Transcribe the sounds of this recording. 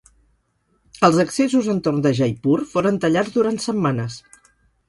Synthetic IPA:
əlˠzəksezuzənt̪ornd̪əʒajpuɾfoɾənt̪əʎad͡zd̪uɾant̪səmmanəs

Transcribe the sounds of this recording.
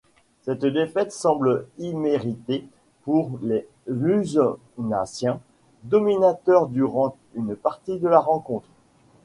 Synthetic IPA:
sɛt̪d̪efɛt̪sɑ̃blimeʁit̪e | puʁle | lyzɔ | na̰sjɛ̃ | d̪ɔminat̪œʁd̪yʁɑ̃ | ynpaʁt̪id̪əlaʁɑ̃kɔ̃t̪χ

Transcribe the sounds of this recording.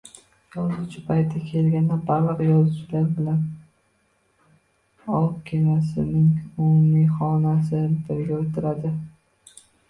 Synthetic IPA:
jɒzʊwt͡ʃʰɪpʰajt̪ːʲakʲʰe̞lɡʲand̪abalɨqjɒzʊwt͡ʃʰɪlaɾbɪlan | ɒlqkʲʰenasɪnɪŋʊmʊmijχɒnasɪbɪɾɡʲaot̪ʰɪɾad̪ɪ

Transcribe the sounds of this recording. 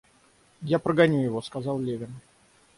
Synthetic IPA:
japɾəɡɐnʲujɪvo̞skɐzɑlˠlʲevʲɪn

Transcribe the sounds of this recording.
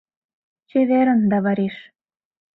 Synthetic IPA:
t͡ɕeβeɾə̆nd̪ɑβɑɾeʃ

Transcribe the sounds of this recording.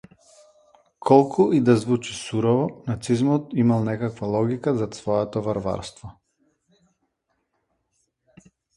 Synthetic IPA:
kʰɔlˠkʰuid̪azvut͡ʃi̥suɾɔvɔnat̪sizmɔt̪imalˠnɛkakvalˠɔɡikazasvɔjɛt̪ɔvaɾva̰ɾst̪vɔ

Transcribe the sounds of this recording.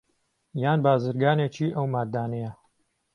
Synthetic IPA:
jaːnbaːzɨɾɡaːnet͡ʃiːʔɐwmaːdd̪aːnɐjɐ

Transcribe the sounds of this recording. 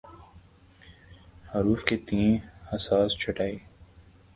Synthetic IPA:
hɐɾuːfket̪ĩːnhɐsaːst͡ʃʰɐʈaːiː

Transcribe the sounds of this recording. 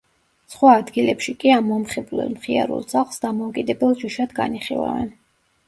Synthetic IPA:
sχwaːd̪ɡilɛpʃikʼiamɔmχɛblɛ̰lˠmχia̰ɾṵlˠsʰaχsd̪amɔukʼid̪ɛbɛlˠʒiʃad̪ɡa̰niχḭla̰vɛ̰n

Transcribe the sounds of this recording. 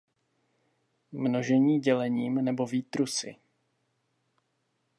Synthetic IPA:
mno̞ʒɛɲiːɟɛlɛɲiːmnɛbo̞viːt̪ɾusɪ̰

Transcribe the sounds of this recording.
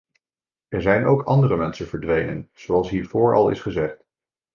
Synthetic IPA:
ʔɛɹzɛjnowkɑndərəmɛnsənv̥əɹdʋejnə̰nz̥owɑlˠsɦiːɹv̥ʊːɹɑ̰lˠɪ̰sχəzɛχt

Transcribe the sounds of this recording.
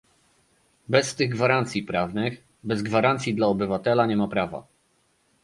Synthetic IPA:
bɛst̪ɘɣɡvaɾant̪sʲipɾavnɘx | bɛzɡvaɾant̪sʲid̪laɔbɘvat̪ɛlaɲɛmapɾava̰

